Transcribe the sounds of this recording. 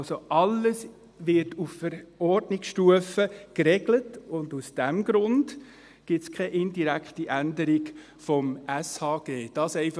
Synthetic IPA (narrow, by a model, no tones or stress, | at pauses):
soʔɑlːəs | ʋɪɾtuffəɾɔɾdnɪksʃtuəfəkɾɛɡ̥lətʊndusd̥æmɡɾʊnd | ɡ̥ɪtskʰɛʔɪndiɾækχtiʔændəɾiɡ | fɔmæshɑːɡ̥eːd̥ɑːsɛɪf